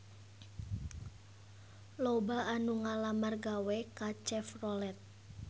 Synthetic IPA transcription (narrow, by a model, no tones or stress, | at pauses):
lobaanuŋalamarɡawekat͡ʃɛfrɔlɛt̪̚